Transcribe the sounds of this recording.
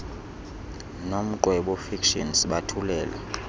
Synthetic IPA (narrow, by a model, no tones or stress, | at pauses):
nom̩ǃwɛɓɔfikʃɔ̰nsɓatʰulɛːla̰